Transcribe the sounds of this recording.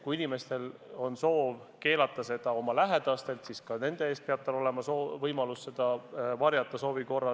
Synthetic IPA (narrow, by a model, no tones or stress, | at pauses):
kuinime̞st̪e̞lo̞nso̞ːv | ke̞ːlɑt̪ːˑɑse̞d̪̥ɑo̞mɑlæɦe̞d̪̥ɑst̪e̞lt̪siskɑne̞nd̪̥e̞eːs̚peɑb̥̚t̪ɑlo̞le̞mɑsoːvɤjmɑlusse̞d̪̥ɑvɑɾjɑt̪ːˑɑso̞ːviko̞rːɑ